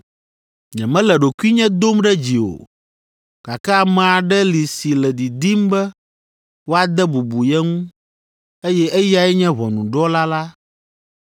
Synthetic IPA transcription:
ɲɛ̃˨mɛ̃˦lɛ˨ɖo˨ku˦i˦ɲɛ̃˦d̪o˦mɖɛ˦d͡ʑi˨o̰˨ | ka˨ka˦a˦mã˨a˨ɖɛ˦li˨si˨lɛ˨d̪i˨d̪i˦mbɛ˦ | wo˦a˨d̪ɛ˦bu˨bu˨jɛ˦ŋũ˦ | e˦jɛ˦ʔɛ˦ja˦ɛ˦ɲɛ̃˦βɔ˨nũ˨ɖɔ˦la˦la˦

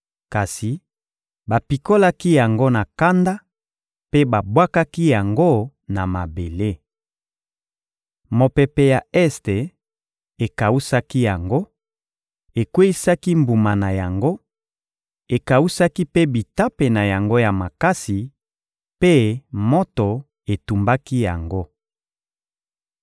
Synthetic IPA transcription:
ka˨si˨ | ba˨pi˨ko˦la˦ki˦ja˨ŋɡo˦na˨ka˦nda˦ | pe˦ba˨bwa˦ka˦ki˦ja˨ŋɡo˦ | na˨ma˨be˨le˦ | mo˨pe˦pe˦ja˨ɛ˦ste˨ | e˨ka˨u˦sa˦ki˦ja˨ŋɡo˦ | e˨kwe˦i˦sa˦ki˦mbu˨ma˨na˨ja˨ŋɡo˦ | e˨ka˨u˦sa˦ki˦pe˦bi˨ta˦pe˨na˨ja˨ŋɡo˦ja˨ma˨ka˦si˨ | pe˦mo˦to˨ | e˨tu˨mba˦ki˦ja˨ŋɡo˦

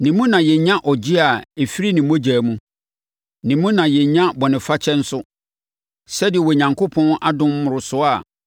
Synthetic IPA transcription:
nĩ˨mũ˦nã˨jɛ˨ɲã˦ʔɔ˨d͡ʑi˦a˨e˨fi˦ɾi˦nĩ˨mõ˦d͡ʑæː˨mũ˦ | nĩ˨mũ˦nã˨jɛ˨ɲã˦bɔ˨nɪ̃˨fa˦t͡ɕʰɛ˦n̩˦sʊ˦ | sɛ˦dɪ˨ɛ˨wɔ˨ɲã˨ŋkʰo˦pʰɔ̃˦na˦dʊ̃˦m˦mʊ̃˨ɾʊ˨sʊ˦a˨

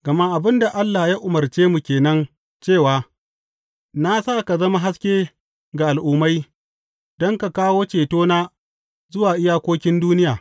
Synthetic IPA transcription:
ɡ̥ɐ˨ma˦ʔa˨bɪ˦nda˨ʔa˦lːa˨jaː˦ʔʊ˨mɐ˨rt͡ʃeː˦mu˨kʲeː˨nɐ˦n | t͡ʃeː˦˨waː˦ | na˦saː˦ka˨zɐ˦ma˦ɦa˦skʲeː˦ | ɡa˨ʔa˨lʔʊː˨ma˦j | d̥ɔ˦ŋka˨kaː˦woː˦t͡ʃeː˨toː˦naː˦ | zʊ˦waː˨ʔɪ˦jaː˦kʷoː˦kʲɪ˦nduː˦nɪ˦jaː˨

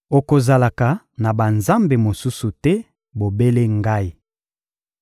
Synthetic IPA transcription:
o˨ko˨za˨la˨ka˨ | na˨ba˨nza˦mbe˨mo˨su˦su˨tɛ˦ | bo˨be˦le˦ŋɡa˦i˦˨

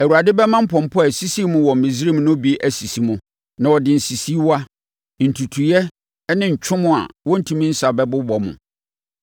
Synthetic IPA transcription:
æ˨wu˨a˨dɪ˦bɛ˦mã˦m̩˦pʰɔ̃˨m̩˨pʰɔ˦æ˨si˦si˦mʊ̃˦wɔ˨m̩˨ɪ̃˨zi˦ɾi˦m˦nʊ̃˦bi˨˦ʔæ˦si˨si˨mʊ̃˦ | nã˨wɔ˨dɪ̃˨n̩˨si˨si˦wa˦ | n̩˨tʰu˨tʰu˨jɛ˦ | nɪ̃˦ɲ̩˨t͡ɕᶣʰʊ̃˦mʊ̃˦a̰˨wɔ̃˦n̩˦tʰũ˨mĩ˦n̩˦sa˨bɛ˦bʊ˦bɔ˨mʊ̰̃˨

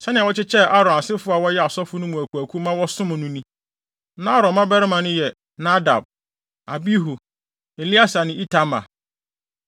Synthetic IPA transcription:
sɛ˦nɪ̃˨wɔ˦t͡ɕɪ˦t͡ɕʰɛ˦ʔa˦ɾɔ̃˨a˨sɪ˦fʊ˦a˨wɔ˦jɛ˦a˨sɔ˦fʊ˦nʊ̃˦mũ˨æ˨kʰu˨æ˨kʰu˦mã˦wɔ˦sʊ̃˦mʊ̃˨nʊ̃˦nĩ˦ | nã˦ɾɔ̃˨mã˦bɛ˦ɾɪ˦mã˨nʊ̃˦jɛ˨ | na˦da̰˨b̚ | a˨bi˦ɦu˨ | e˨li˦a˦sa˨nɪ̃˦i˦tʰa˦mã̰˨

